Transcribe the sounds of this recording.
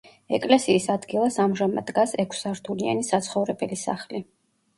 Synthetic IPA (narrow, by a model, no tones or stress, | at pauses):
ɛ̰kʼlɛsiːsad̪ɡilˠasamʒama̰d̪ɡasɛkʷʰsaɾt̪ʰulia̰nisat̪sʰχɔvɾɛbɛlisa̰χli